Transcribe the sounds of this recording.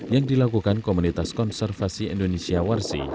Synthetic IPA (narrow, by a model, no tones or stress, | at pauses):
jaŋdilakukankomunit̪askɔnsɛrfasiɛ̰ndonesiawarsḭ